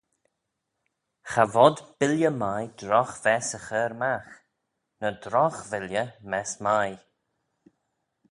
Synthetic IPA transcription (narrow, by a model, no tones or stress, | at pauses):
xavɔd̪b̥ɪljəmajdɾɔxvɛsəxəːɾmax | nədɾɔxvɪljəmɛsmaj